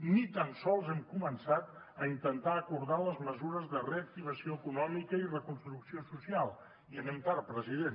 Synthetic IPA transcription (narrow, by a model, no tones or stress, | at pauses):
nit̪ansɔlˠzɛmkumənsat̪ | əint̪ənt̪aəkuɾðaləzməzuɾəzðəreək̚t̪iβ̞əsioəkunɔmikəirəkunst̪ɾuksiosusialˠ | iənɛmt̪aɾpɾəziðen